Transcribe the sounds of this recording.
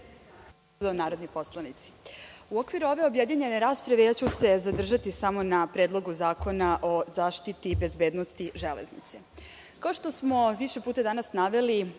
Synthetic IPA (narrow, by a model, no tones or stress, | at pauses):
d̪anaːɾo̞d̪nipo̞slˠanit̪si̥uokʋiɾuo̞ʋe̞o̞bjed̪ɲeɲeneɾaːspɾaʋejaːt͡ɕuse̞zad̪r̩ʒat̪isamo̞napɾed̪lˠo̞ɡuzaːko̞naʔo̞zaːʃt̪it̪ibe̞zbeːd̪no̞st̪iʒelḛznḭt̪se̞ | kaoʃt̪o̞smo̞ʋiʃe̞puːt̪ad̪anasnaʋe̞li